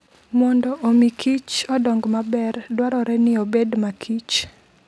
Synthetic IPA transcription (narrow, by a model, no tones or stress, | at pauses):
mɔndɔʔomikʰit͡ʃɔdɔŋɡmabɛrdwaɾɔɾɛnɪobedmakʰit͡ʃ